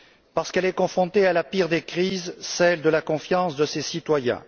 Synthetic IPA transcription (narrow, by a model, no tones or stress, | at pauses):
paʁsə̥kɛlɛkɔ̃fχɔ̃t̪ealapiʁd̪ekχizsɛld̪əlakɔ̃fjɑ̃sd̪əsesit̪wajɛ̰̃